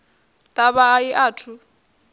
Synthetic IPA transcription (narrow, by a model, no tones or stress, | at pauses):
tʼaβaːiʔaːtʰu